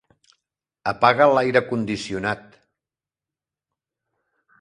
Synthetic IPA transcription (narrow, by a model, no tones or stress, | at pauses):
əpaɣəlajɾəkund̪isiunat̪